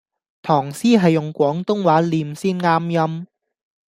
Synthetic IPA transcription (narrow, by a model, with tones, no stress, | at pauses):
t̪ʰɔː˨˩ŋsiː˥ɦɐ˨jːʊ˨ŋkʷɔː˨˥ŋt̪ʊ˥ŋwaː˨˥liː˨˧msiː˥˩nŋaː˥mjɐ˥m